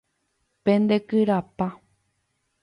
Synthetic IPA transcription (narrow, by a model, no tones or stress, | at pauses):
pẽnd̪e̞kɨɾapa